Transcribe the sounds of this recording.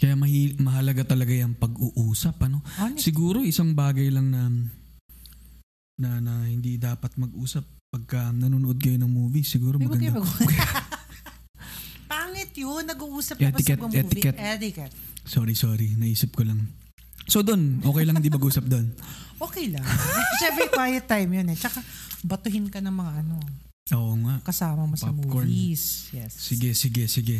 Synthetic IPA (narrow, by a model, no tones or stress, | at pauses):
kɐjamɐhimɐɦɐlɐɡat̪ɐlɐɡajɐŋpɐɡʔuʔuːsɐpʔɐno̞sɪɡuːɾo̞ʔɪsaŋbaːɡɐjlɐŋnɐ | nɐnɐhɪnd̪id̪aːpɐt̪̚mɐɡʔuːsɐpːɐɡ̚kɐnɐnuːnoʔod̪̚kɐjonɐŋmuːbisɪɡuːɾomɐɡɡɐnɐk | paːŋɪt̪jonːɐɡuʔuːsɐpɛt̪ɪkɛt̪ɛt̪ɪkɛt̪t̪kɛt̪ | soːɾisoːɾinɐʔiːsɪp̚kolɐŋ | sod̪onʔoːkɛjlɐŋhɪnd̪imɐɡʔuːsɐp̚d̪onʔoːkɛjlɐŋʃɛmpɾɛkwaːjɛt̪ːajmjonɛt͡ʃɐkabɐt̪ʊɦɪnkɐnɐŋmɐŋaʔɐno̞ | ʔoːʔoŋaʔkɐsaːmɐmɐsɐmuːkoɹsjɛssɪɡɛsɪɡɛsɪɡɛ